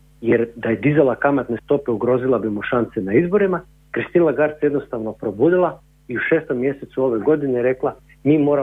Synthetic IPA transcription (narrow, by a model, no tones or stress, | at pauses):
jeɾd̪ajed̪izalˠakamat̪ne̞st̪o̞pe̞uɡɾo̞zilˠabimuʃant̪senaizbo̞ɾima | kɾist̪iːlaɡaɾt̪sjed̪no̞st̪aʋnopɾo̞buːd̪ilˠa | iuʃe̞ːst̪o̞mːje̞set̪suo̞ʋe̞ɡo̞d̪ineɾe̞klˠa | miːmo̞ːɾa